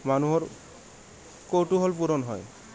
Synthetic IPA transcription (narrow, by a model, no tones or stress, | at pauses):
manuɦɔɹ | kowʈuɦɔlpuɾɔnɦɔj